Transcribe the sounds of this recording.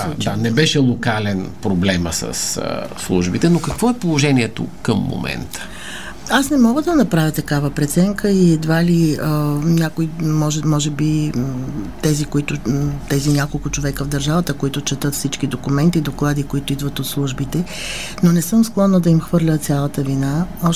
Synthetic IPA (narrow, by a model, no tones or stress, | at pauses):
ad̪anɛbɛʃɛlˠokalɛnpɾoblɛmə̰sə̰sː | lˠṵʒbit̪ɛnokɐkvɔɛpolˠoʒɛniɛt̪o̰kəmːo̰mɛ̰nt̪ə̥ | asnɛmɔɡəd̪ɐnɐpɾavʲət̪ɐkavəpɾɛt̪sɛŋkəiɛd̪valiənʲjakoimɔʒɛmɔʒɛbi | t̪ɛzikoit̪ʊt̪ɛzinʲakolˠkʊt͡ʃovɛkəvd̪ɐɾʒavət̪əkoit̪ʊt͡ʃɛt̪ɤt̪fsit͡ʃkid̪okʊmɛnt̪id̪oklˠad̪ikoit̪ʊid̪vət̪ot̪slˠuʒbit̪ɛ | nonɛsɤmsklˠɔnːəd̪ɐimxvɤɾlʲət̪sʲjalˠət̪əvinaɔ